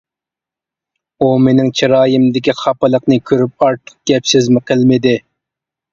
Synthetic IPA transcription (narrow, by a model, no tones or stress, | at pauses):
umenɪŋt͡ʃʰiɾɑːjɪmd̪ɪkʲiχʰɑpɨlˠəqnɨkʲʰøɾyp̚ɑɾt̪ʰːə̥q̚ɡ̥ʲɛpsɪzmɪqʰəlˠmɪd̪ɪ